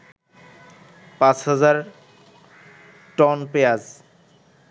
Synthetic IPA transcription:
pãt͡ɕhɔd͡ʑaɾ | ʈɔnpejad͡ʑ

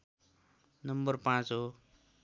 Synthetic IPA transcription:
nʌmbʌrpãt͡sɦo

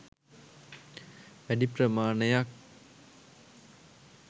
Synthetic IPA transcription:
ʋæɖiprəmaːɳejak̚

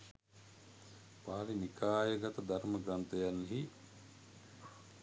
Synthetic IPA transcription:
paːalinikʰaːjəɡat̪əd̪aɾməɡɾant̪əjanːeɦi

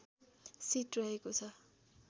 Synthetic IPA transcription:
siʈrʌɦekot͡sʰʌ

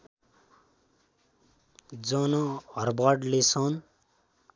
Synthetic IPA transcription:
d͡zʌnʌʌrbʌɖlesʌn

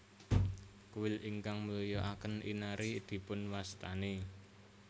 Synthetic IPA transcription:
kuwɪliŋkaŋməlijɔʔakənḭnaɾid̪̥i̤pʊnwast̪ane

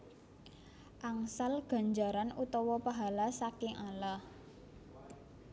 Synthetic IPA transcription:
ʔaŋsalɡ̥ä̤ɲd͡ʒa̤ɾanut̪ɔwɔpaɦalasakɪŋala

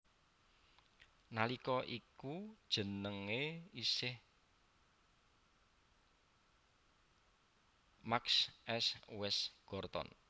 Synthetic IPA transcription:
nalikɔʔikud̥ʒ̥ə̤nəŋeisɪh | maksɛswɛsɡ̥ɔrt̪ɔ̰n

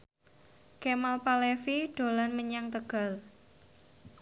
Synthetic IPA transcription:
kemalpalefiɖ̥o̤lanməɲaŋt̪əɡ̥a̤l

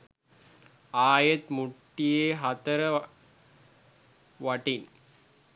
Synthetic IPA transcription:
aːjet̪muʈːijeːɦat̪əɾə | ʋɐʈin

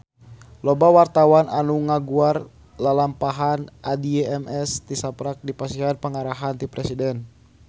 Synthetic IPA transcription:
lɔbawart̪awananuŋaɡuar | lalampaɦanʔadiɛɛmɛst̪isapɾak̚dipasiɦanpəŋaɾaɦant̪ipɾɛsidɛn

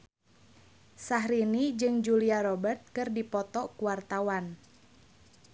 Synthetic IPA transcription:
saɦɾinid͡ʒɨŋd͡ʒuliaɾɔbərt̪̚kɨrdipɔt̪ɔkuwart̪awan

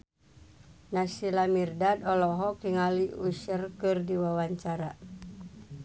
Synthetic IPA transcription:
nasilamirdadɔlɔɦɔkliŋaliuʃərkɨrdiwawaɲt͡ʃaɾa

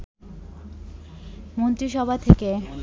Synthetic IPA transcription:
mont̪ɾiʃɔbʱat̪ʰeke

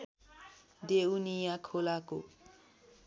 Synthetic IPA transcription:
dewnijakʰolako̰

